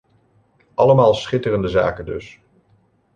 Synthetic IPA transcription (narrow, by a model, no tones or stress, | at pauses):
ʔɑləmaːlˠsχɪtərəndəza̰ːkəndɵ̰s